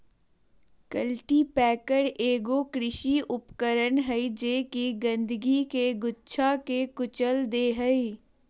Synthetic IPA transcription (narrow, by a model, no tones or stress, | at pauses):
kəlʈipɛːkəɽeːɡoːkɾɪʃiʔʊpkəɾənɦəid͡ʒeːkiɡə̃nd̪əɡikeɡʊtːʃʰakekʊt͡ʃəld̪eːɦəi